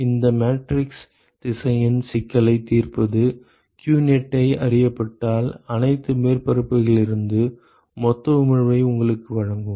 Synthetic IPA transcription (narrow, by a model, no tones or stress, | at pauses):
ɪnd̪ɐmeːʈrɪks | d̪̥ɪsɐjɪnsɪkːɐlɐɪt̪ːiːrpɐðɯ | kjuːnɛʈːɐɪɐrɪjɐpːɐʈːaːlɐnɐɪt̪ːɯmeːrpɐɾɯpːɐɣɐɭɪɾɯnd̪ɯ | mɔt̪ːɐʊmɐɻʋɐɪʊŋɡɐɭɯkːɯʋɐɻɐŋɡɯm